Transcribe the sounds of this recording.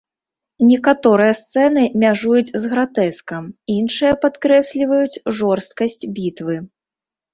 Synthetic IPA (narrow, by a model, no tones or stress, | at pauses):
nʲɛkat̪ɔɾɨjɐst̪sɛnɨmʲaʐujut͡sʲzɣɾat̪ɛskɐminʂɨjɐpat̪kɾɛsʲlʲivɐjut͡sʲʐɔrst̪̚kɐsʲt͡sʲbʲit̪vɨ